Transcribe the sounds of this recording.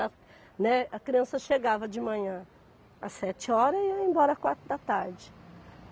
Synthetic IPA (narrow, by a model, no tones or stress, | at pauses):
a | nɛɐkɾiɐ̃sɐʃeɡavɐd͡ʒɪmɐ̃ɲɐ̃ | ɐ̰sɛt͡ʃɪɔɾɐiẽbɔɾɐakwaɾt̪ʊd̪ɐt̪aɾd͡ʒɪ